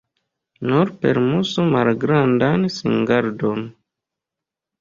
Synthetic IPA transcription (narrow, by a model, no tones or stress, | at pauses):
nuɾpḛɾmusumalɡɾandansḭŋɡaɾdon